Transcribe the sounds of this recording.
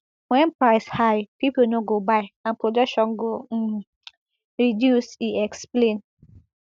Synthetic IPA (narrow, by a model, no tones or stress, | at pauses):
wɛ̃npɹaɪshaɪpiponoɡobaɪãnpɹodɔkʃɔ̃nɡo | ɹidjusiɛksplẽn